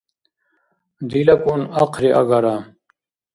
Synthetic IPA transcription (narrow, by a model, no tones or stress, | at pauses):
d̪ilɐkunɐqʰɾiʔa̰ɡɐɾa